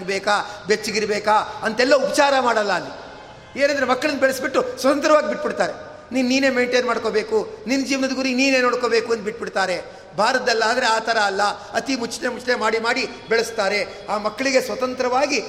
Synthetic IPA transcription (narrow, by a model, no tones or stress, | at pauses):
ɡbeːkabet͡ʃːiɡiɾɐbeːkaɐnt̪ɛlːɐupɐ̥t͡ʃaːɾɐmaːɽɐlːɐːlːi | eːnɐnd̪ɾemɐkːɐɭɐnːbɛɭɐsbiʈːusʋɐt̪ɐnt̪ɾɐʋaːɡibiʈ̚ːbiɽt̪aːɾe | niːnniːneːme̞ːɳʈeːnmaːɽko̞ːbe̞ːkuninɐd͡ʒiːʋɐnɐd̪ɡuːɾiniːne̞ːno̞ːɽko̞ːbeːkuɐnd̪biʈ̚ːbiɽt̪aːɾe̞ | bʱaːɾɐd̪ɐlːɐaːd̪ɾe̞aːt̪ɐɾɐːlːɐɐt̪imut͡ʃːnemut͡ʃnemaːɽimaːɽi | bɛɭɐst̪aːɾe̞ | aːmɐkːɐɭiɡesʋɐt̪ɐnt̪ɾɐʋaːɡi